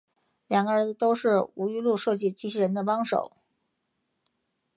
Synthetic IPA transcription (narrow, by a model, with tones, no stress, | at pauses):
ljɑ˨˩ŋɡə˧ɻə˧˥ə˧t̪o˥ʊʂɻ̩˥˩u˧˥y˥lu˥˧ʂɤ˥˧t͡ɕi˥˩t͡ɕi˥˩ɕi˥ɻə˧˥nd̪ə˧pɑ˥ŋʂo̰˨˩˦ʊ